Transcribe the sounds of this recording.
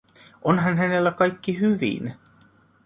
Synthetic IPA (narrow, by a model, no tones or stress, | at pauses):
ʔonɦɑnɦæne̞lːækɑjkːiɦyʋḭn